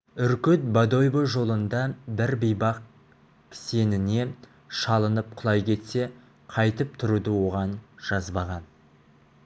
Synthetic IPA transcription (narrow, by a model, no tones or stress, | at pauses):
ʏɾkʲʏt̪̚bad̪o̞jboʒo̞lˠənd̪ɑbɪɾbijbɑq̚ | kʰʲse̞nɪne̞ | ʃɑlˠənəp̚qʰʊlˠɑjkʲʰe̞t̪se̞ | qʰɑjt̪əp̚t̪ʰʊɾud̪ɪwo̞ʁɑnʒ̥ɑzbɑʁɑn